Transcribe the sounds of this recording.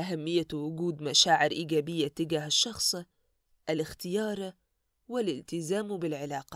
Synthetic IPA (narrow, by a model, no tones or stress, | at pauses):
ʔaɦamːɪjːawʊɡuːd̪maʃaːʕɪɾʔiːɡaːbɪjːat̪ːɪɡaːɦaʃːɑxsˤ | ʔalɪxt̪ɪjɑːɾˤ | wɪlɪlt̪ɪzaːmbɪlʕɪlɑːqɑ̥